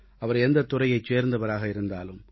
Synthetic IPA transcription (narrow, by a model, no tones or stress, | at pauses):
ɐʋɐɾɛnd̪ɐt̪ːʊrɐjɐɪt͡ʃeːɾnd̪ɐʋɐɾaːɣɐɪɾɯnd̪aːlɯm